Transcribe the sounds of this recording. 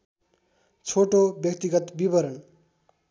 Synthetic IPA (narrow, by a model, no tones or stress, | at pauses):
t͡sʰoʈobjʌk̚t̪iɡʌt̪bibʌɾʌn